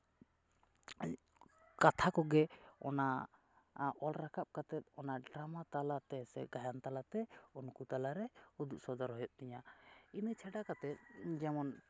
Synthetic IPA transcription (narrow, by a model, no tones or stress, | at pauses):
kat̪ʰakɔɡɛɔ̰na | ʔɔlɾakʰap̚kat̪ɛt̪̚ɔnaɖɾamat̪alat̪ɛsɛ̰ɡajant̪alat̪ɛunkut̪alaɾɛud̪uʔ̚sɔd̪aɾɦɔjɔʔ̚t̪ɛɲainit͡ʃʰɛɖakat̪ɛt̪̚d͡ʒɛmɔn